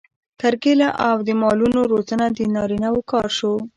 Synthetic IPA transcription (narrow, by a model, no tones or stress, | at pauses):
t̪aɾɡelaʔawd̪əmɑlunoɾozanad̪ənɑɾinawokɑɾʃo